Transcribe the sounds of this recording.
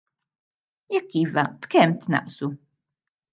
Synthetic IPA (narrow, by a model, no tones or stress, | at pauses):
jɛkːiːvɐb̥kɛmt̪nɐ̰ʔsu